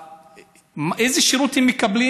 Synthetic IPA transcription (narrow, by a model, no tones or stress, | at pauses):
mʔejzeʃiɾut̪hemːekɐbli